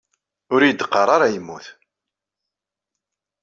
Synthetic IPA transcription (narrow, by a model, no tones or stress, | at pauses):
ʊɾijəd̪qːɑɾˤaɾajəmːuθ